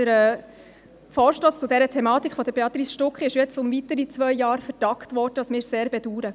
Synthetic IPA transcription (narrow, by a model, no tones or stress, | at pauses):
əɾɛ | fɔːɾʃtɔst͡sʊdɛɾətʰɛmɑːt̪ikχfɔd̪əɾbeɑt̪ɾiːsʃtʊkχiɪʃjɛt͡sʊmvitəɾit͡svʋœjjɑːɾfəɾd̥ɑktvɔːɾdədɑsmɪːɾseːɾbɛduːɾə